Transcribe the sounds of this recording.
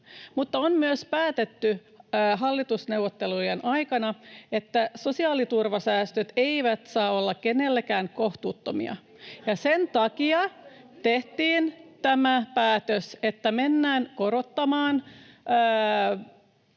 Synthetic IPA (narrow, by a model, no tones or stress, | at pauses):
mut̪ːɑonmyøspæːt̪et̪ːy | ɦɑlːit̪usneuwʋot̪ːelujenʔɑjkɑnɑet̪ːæso̞siɑːlit̪urʋɑsæːst̪øt̪eiʋæt̪sɑːolːɑkenelːækæːŋkoht̪uːt̪ːomḭɑ̰ | jɑsent̪ɑkiɑ | t̪eht̪iːnt̪æmæpæːt̪øset̪ːæmenːæːnko̞ɾot̪ːɑmɑːnː